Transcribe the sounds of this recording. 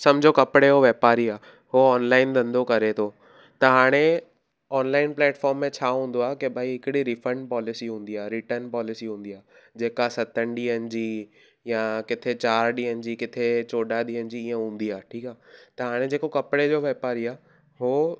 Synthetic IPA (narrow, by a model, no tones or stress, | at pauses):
sɐmd͡ʑʱokɐpɽeɦoʋeːpaːɾiaː | ɦoɔːnlaːɪnd̪ʱɐ̃nd̪ʱokɐɾet̪ʰoː | t̪ɐɦaːɽ̃e | ɔːnlaːɪnplɛːʈfɔːɾmːẽt͡ɕʰaːɦũːnd̪oaːɦkebʱaːiɦɪkɪɽiɾifə̃ɳɖ̚pɔːlɪsiɦũːn̆d̪iaːɾiʈəɾnpɔːlɪsiɦũːn̆d̪iaːd͡ʑeːkasɐt̪ʰənɗiːənɪ̆d͡ʑiː | jãkɪt̪ʰet͡ɕaːɾɗiːənɪ̆d͡ʑiːkɪt̪ʰet͡ɕoːɗaɗiːənɪ̆d͡ʑiːiːə̃ɦũːn̆d̪iaːʈʰiːkaːt̪ɐɦaːɽ̃ed͡ʑeːkokɐpɪɽed͡ʑoːʋeːpaːɾiaː | ɦoː